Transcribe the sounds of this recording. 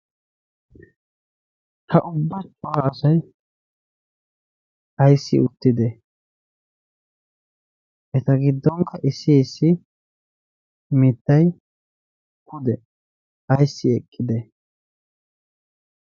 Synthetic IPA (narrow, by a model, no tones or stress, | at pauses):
hɐʔʊbːɐt͡ʃʼːʊhaːsɐj | ʔɐjsːɪ̰ʊt̪ːɪd̪ɛ | ʔɛt̪ɐɡɪd̪ːɔŋkʰːɐʔɪsːɪːsːɪ | mɪt̪ːɐj | kʰʊd̪ɛ | ɐjsːɪɛkʼːɪd̪ɛ